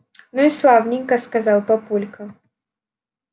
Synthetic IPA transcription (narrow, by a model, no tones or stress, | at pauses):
nuislˠawnʲiŋkɐskazawpapulʲkɐ